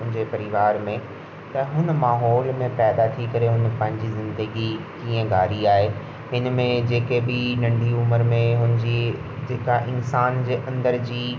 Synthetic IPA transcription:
ʊ̃ɦɪ̃ɲd͡ʑepɐɾɪʋaːɾmẽ | t̪ɐɦʊnə̆maːɦɔːlmẽpɛːd̪at̪ʰikɐɾeɦʊnpɐ̃ɦɪ̃ɲd͡ʑizɪ̃nd̪əɡikiːə̃ɡʱaːɾiaːɦe | ɦɪnmẽd͡ʑeːkebɪnɐ̃ɳɖʱiʊməɾmẽɦʊnɪd͡ʑid͡ʑeːkaʔɪnsaːnd͡ʑeːʔɐ̃nd̪əɾd͡ʑiː

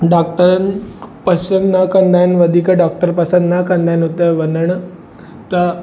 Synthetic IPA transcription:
ɖɔk̚ʈəɾanpəsənnakənd̪ʱajnʋəd̪ʱikaɖɔk̚ʈəɾpəsənnakənd̪ajnɦot̪əʋənd̪əɳə | t̪ə

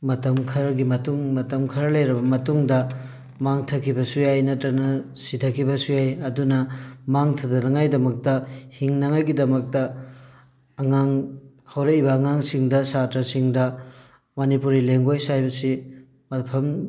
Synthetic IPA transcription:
mɐtɐmkʰɐɾɡimɐtuŋmɐtɐmkʰɐɾɐlɐjɾɐbɐmɐtuŋdɐ | maŋtʰɐkʰibɐsujajnɐtɾɐnɐsitʰɐkʰibɐsujajɐdunɐmaŋtʰɐdɐnɐŋajdɐmɐk̚tɐhiŋnɐŋajɡidɐmɐk̚tɐ | ŋaŋ | hawɾeibɐːŋaŋsiŋdɐsatɾɐsiŋdɐ | mɐnipuɾileŋɡojsajbɐsi | mɐpʰɐm

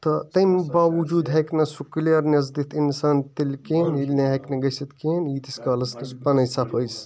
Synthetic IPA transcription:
t̪ɐt̪ɐjnbaːʋud͡ʒuːd̪ɦɐknɐsuklɐɾnʲɐzd̪it̪ʰinsaːnt̪ilʲkeːnilneɦɐjknɐɡɐsɐt̪ʰkeːniːt̪iskɐːlɐsnɐspɐnɐjsaːpʰəjs

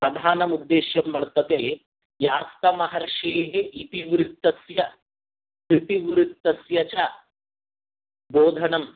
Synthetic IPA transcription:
pɾɐd̪ʱaːnɐmud̪ːeːʃjɐmːɐɭt̪ɐt̪eː | jaːst̪ɐmɐɦɐɾɐʂeːɦeʔit̪iʋɾitt̪ːɐsjɐ | kɾit̪iʋɾutt̪ːɐsjɐt͡ʃa | boːd̪ʱɐnɐm

